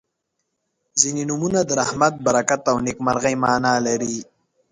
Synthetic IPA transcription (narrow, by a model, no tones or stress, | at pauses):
zininumunad̪əɾahmat̪̚baɾakat̪awnikmaɾɣajmaːnaːlaɾi